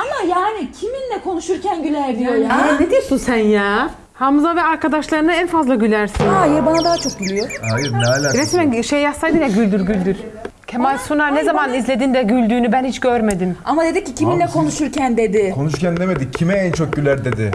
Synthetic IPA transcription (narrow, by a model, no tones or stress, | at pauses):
amajaːnicʰiminlʲɛkʰo̞nuʃuɾcʰænɟylʲæɾd̪ijojaned̪iɾsusænjaː | hamɯzavɛaɾkʰad̪aʃlˠaɾɯnaænfazlˠaɟylʲæɾsinajɛbanad̪aɦat͡ʃʰok̚ɟylʲijoajɯɾnɛalʲaɾesmænʃejjasajd̪ɯnjaɟylʲd̪yɾɟylʲd̪yɾ | cʰemalʲsunaɾnezamanizlʲe̞d̪ind̪ɛɟylʲd̪yːnybænhit͡ʃɟøɾme̞d̪imamad̪e̞d̪icːicʰiminlʲɛkʰo̞nuʃuɾcʰænd̪e̞d̪ɪkʰo̞nuʃuɾcʰænd̪eme̞d̪icʰimɛɛnt͡ʃʰo̞k̚ɟylʲæɾd̪e̞d̪ɪ̰